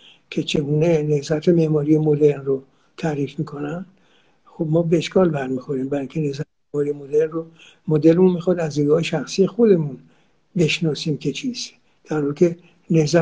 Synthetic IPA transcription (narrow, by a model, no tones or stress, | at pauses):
kʲʰe̞t͡ʃʰe̞ɡuːne̞ne̞hzæt̪ʰe̞me̞mɒːɾijemod̪e̞ɾnro | t̪ʰæɾiːfmiːkʰo̞nænd̪ | xo̞bmɒːbeːʃkɒːlbæɾmixoɾiːmbæɾiŋkʰʲcʰe̞ne̞hzæt̪ememɒːɾijemo̞d̪eɾnro | mod̪elmunmixɒːd̪æzniɡɒːheʃæxsijexo̞d̪e̞mun | be̞ʃnɒːsiːmkʰʲe̞t͡ʃʰis | d̪̥æɾhɒːɾikʰʲe̞ | ne̞hzæ